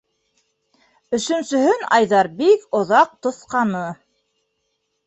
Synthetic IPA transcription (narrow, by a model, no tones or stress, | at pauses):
ɵ̆ʃɵ̆nsɵ̆ɦɵnɑjðɑɾbikŏðɑq̚t̪ŏθqɑnɤ